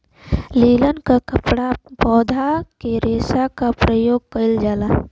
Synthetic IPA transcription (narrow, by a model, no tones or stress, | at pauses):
liːlənkakəpɽapɔːd̪ʱakeɾeːsakapɾəjoːɡ̚kəɪld͡ʒaːla